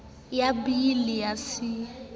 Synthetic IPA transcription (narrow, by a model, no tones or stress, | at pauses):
jabilijasi